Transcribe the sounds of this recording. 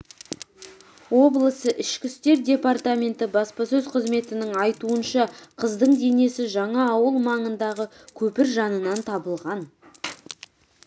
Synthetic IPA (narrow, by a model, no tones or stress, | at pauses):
wo̞blˠəsəʔɪʃkʲɪst̪e̞ɾdʲe̞part̪amʲe̞nt̪ɪbɑspɑsɵzqʰəzme̞t̪ɪnɪŋɑjt̪uənʃɑqʰəzd̪əɴd̪e̞ne̞sɪʒɑɴɑːwəlˠmɑɴənd̪ɑʁə | kʲʰɵpɪɾʒɑnənɑnt̪ʰɑbəlˠʁɑn